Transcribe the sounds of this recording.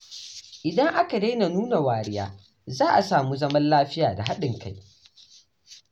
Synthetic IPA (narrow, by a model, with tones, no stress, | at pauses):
ʔɪ˨dɐ˦ŋʔa˦ka˨da˦jna˨nuː˦na˨waː˨ɽɪ˦ja̰ː˦ | zaː˦ʔa˨saː˨mu˦zɐ˦mɐ˦nlaː˦ɸɪ˦jaː˨da˨ɦa˦ɗɪ˨ŋka˦j